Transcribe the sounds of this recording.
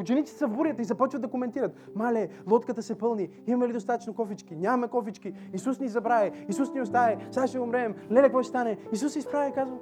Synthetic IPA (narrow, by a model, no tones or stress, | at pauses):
ʊt͡ʃɛnit̪sit̪ɛ̥sɐvbuɾʲijət̪izɐpɔt͡ʃvəd̪ɐkomɛnt̪iɾət̪ | malɛlˠɔt̪kət̪ɐsɛpɤlˠni | immɛlid̪ost̪at̪ə̥t͡ʃnokɔfit͡ʃkinʲamɛkɔfit͡ʃki | isusnʲizɐbɾaɛisusniʊst̪aɛsaʃɛʊmɾɛmlɛlɛkvɔt͡ʃɛ̥st̪anɛisusːɛispɾavʲɐkazvə